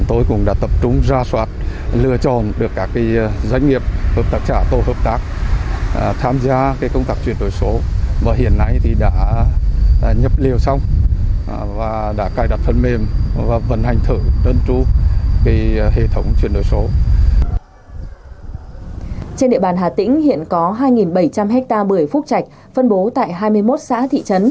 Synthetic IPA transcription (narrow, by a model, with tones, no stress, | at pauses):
t̪o˧jkʊ̰˧˩ŋ͡mɗa̰ː˧˥t̪ə˨˩p̚t͡ɕʊ˨˦ŋ͡mzaː˧swaː˦˥t̚lɨ˧ət͡ɕɔ˨˩nɗɨ˨˩əkːaː˦˥kːiː˨˦jza˧˦jŋ̟ŋi˨˩əp̚həː˨˩p̚t̪aː˦˥k̚t͡ɕaː˧˩t̪o˧˩həː˨˩p̚t̪aː˦˥k̚ | t̪ʰaː˧mzaː˧kaː˨˦jkə˧wŋ͡mt̪aː˦˥k̚t͡ɕwi˧˩ənɗo˧˨˩jso˨˦vaː˨˩ɦḭ˧˨ənːa˧jt̪ʰi˨˩ɗa̰ː˧˥ | ɲə˨˩p̚li˨˩əwsa˧wŋ͡m | vaː˨˩ɗa̰ː˧˥kaː˧˩jɗa˨˩t̚fʰə˧˩nme˧˩mvaː˨˩və̰˧˩nha˨˩jŋ̟t̪ʰɨ˧˩ɗəː˧nt͡ɕu˧ki˨˦hḛ˧˨t̪ʰə˨˦wŋ͡mt͡ɕwi˧˩ənɗo˧˩jso˨˦ | t͡ɕe˧nɗḭ˧ə˨ɓaː˨˩nɦaː˨˩t̪ï˧˥ŋ̟hḭ˧˨ənkɔ˨˦ɦaː˧jŋi˨˩nɓə˧˩jt͡ɕa˧mɦɛ˦˥k̚t̪aː˧ɓɨ˧˨˩əjfʊ˦˥k̚t͡ɕa˨˩jk̟̚ | fə˧nɓo˨˦t̪a̰ː˧˨jɦaː˧jmɨ˧əjmo˦˥t̚sa̰ː˧˥t̪ʰḭ˧˨t͡ɕə˨˦n